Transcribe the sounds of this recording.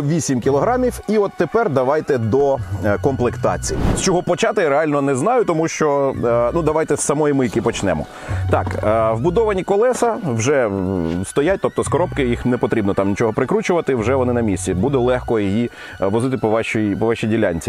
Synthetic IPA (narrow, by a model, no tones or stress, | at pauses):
ʋʲisʲimkʲilˠɔɦɾɑmʲiwiɔt̪ːepɛrd̪ɐʋɑjt̪ɛd̪ɔkɔmplˠekt̪ɑ̰t͡sʲijḭst͡ʃɔɦɔpɔt͡ʃɑt̪ɪɾeɑlʲnɔnɛznɑjʊt̪ɔmuʃt͡ʃɔnud̪ɐʋɑjt̪ɛssɐmɔjimɪjɐkipɔt͡ʃnɛmɔ̰ | t̪ɑkwbʊd̪ɔʋɐnʲikɔlˠɛsɐwʒɛst̪ɔjat̚ʲt̪ɔp̚t̪ɔskɔɾɔp̚kɪjixnɛpɔt̪ɾʲibnɔt̪ɑmnʲit͡ʃɔɦɔpɾɪkɾut͡ʃʊʋɐt̪ɪwʒɛʋɔnɪnɐmʲisʲtʲibud̪ɛlˠɛxkɔjiji | ʋɔzɪt̪ɪpɔʋɑʃijpɔʋɑʃijdʲilʲanʲt͡sʲi